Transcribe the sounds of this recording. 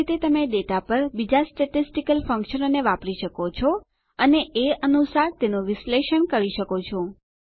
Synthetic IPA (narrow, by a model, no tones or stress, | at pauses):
it̪et̪əmeɖeʈapəɾbid͡ʒasʈeʈisʈikəlfə̃ŋkʃənoneʋapɾiʃəkot͡ʃʰɔ | əneʔeənusaɾt̪enoʋɪsleʃənkəɾiʃəkot͡ʃʰɔ